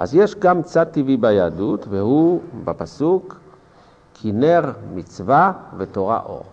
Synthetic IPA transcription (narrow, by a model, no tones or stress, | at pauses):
ʔa̰zjeʃɡamt͡sad̪̚t̪ːivibajad̪ut̪vehubapasuk | kʰineʁmit͡svavet̪oʁa̰ʔo̞̰ʁ